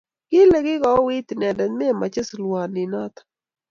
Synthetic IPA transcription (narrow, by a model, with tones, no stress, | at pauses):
kɪ˦le˨ɡɪ˦ɡɔ˨˦wi˦t̪nɛ˨dɛ˨mɛ˦˨ma˨t͡ʃe˦slwa˨nɪ˨na˦t̪ḁ